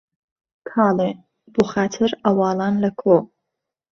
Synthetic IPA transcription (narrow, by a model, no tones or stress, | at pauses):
kʰaːle | b̥uχaːtʰɨɾɐwɑːlaːnlɐkʰo